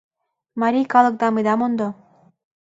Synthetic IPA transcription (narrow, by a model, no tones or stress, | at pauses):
mɑɾʲijkɑlˠɤ̆k̚d̪ɑmɯd̪ɑmond̪o